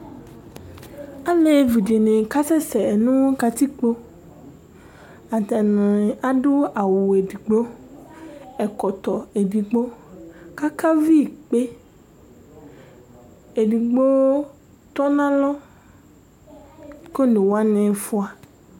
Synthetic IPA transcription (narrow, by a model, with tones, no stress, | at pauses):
a˦le˦vi˨de˨nẽ˨ka˦sɛ˦sɛ˨nũ˦wo˦ka˨t̪i˦k͡po˦ | a˨t̪a˨nẽ˨a˨ɖʊ˦a˨wu˨e˨di˨ɡ͡bo˦ | ɛ˨kɔ˨t̪ɔ˨e˨di˨ɡ͡bo˦ka˦ka˦vi˦˨k͡pe˦ | e˨di˨ɡ͡bo˦ | t̪ɔ˦nã˦lɔ˦ | ko˦nẽ˨wa˦nẽ˨fʊ˦a˨